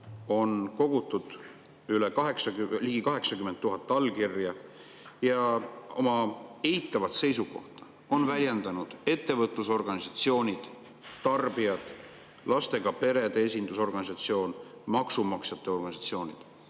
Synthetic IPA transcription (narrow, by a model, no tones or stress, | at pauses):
o̞nko̞ɡ̥ut̪ːˑud̪̥ | ylekɑɦe̞ksɑɡliːɡ̥ikɑɦe̞ksɑkymːet̪ːuɦɑt̪ːˑɑlkirjɑ | jɑo̰mɑe̞jt̪ːˑɑvɑt̪se̞jsuko̞̰ht̪ɑ̥ | o̞nvælʲjend̪̥ɑnud̪̥e̞t̪ːe̞vɤt̪ˑluso̞rɡ̥ɑnisɑt̪sio̞ːnʲid̪̥ | t̪ɑrb̥ijɑd̪̥ | lɑst̪e̞ɡ̥ɑpe̞ɾe̞d̪ees̬ʲind̪̥us̬o̞rɡɑnis̬ɑt̪sio̞ːnmɑksumɑksjɑt̪ːˑe̞o̞rɡ̥ɑnisɑt̪sio̞ːnʲid̪̥